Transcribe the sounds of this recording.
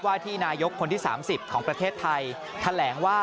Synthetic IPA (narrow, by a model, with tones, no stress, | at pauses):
waː˥˩t̪ʰiː˥˩naː˧jo˦˥kʰːo˧nt̪ʰiː˥˩sa̰ː˩˦msi˨˩p̚kʰɔː˩˦ŋpɾa˧t̪ʰeː˥˩t̪ʰːa˧j | t̪ʰa˧lɛː˩˦ŋwaː˥˩